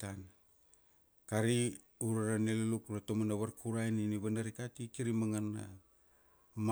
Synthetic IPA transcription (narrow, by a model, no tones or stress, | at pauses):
an | kaɾi | uɾaɾanelelukɾatomanaβaɾkuɾajniniβanaɾikatikiɾimaŋanːa̰ | m